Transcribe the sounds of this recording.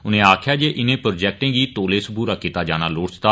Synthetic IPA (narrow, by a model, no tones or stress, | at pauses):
ʊnẽːaːkʰjaːd͡ʒeːʔɪnẽːpɾoːd͡ʒɛːk̚ʈẽːɡiːt̪oːleːsbuːɾaːkɪt̪aːd͡ʒaːnaːloːɽsɪ̥t̪aː